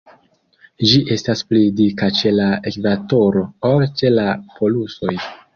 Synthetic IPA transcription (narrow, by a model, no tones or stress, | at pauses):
d͡ʒiʔe̞stasplidikat͡ʃe̞laekvato̞ɾo̞olt͡ʃe̞lapo̞luso̞j